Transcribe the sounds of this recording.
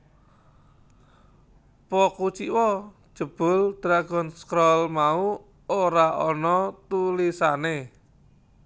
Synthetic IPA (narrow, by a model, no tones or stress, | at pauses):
pɔkut͡ʃiwɔ̥ | ʒ̥ə̤b̥ʊ̤ld̪̥ɾaɡ̥ɔ̤nskɾɔlmau | oɾaɔnɔt̪ulisane